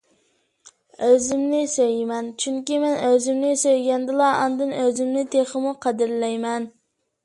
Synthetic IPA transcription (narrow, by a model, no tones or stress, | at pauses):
øzɪmnɪsøjmɛnt͡ʃʰyŋkʲimɛnøzɪmnɪsøjɡʲɛnd̪ɨlˠɑɑnd̪ɨnøzɪmnɪt̪ʰeχəmuqʰɛd̪ɪɾlɛjmɛn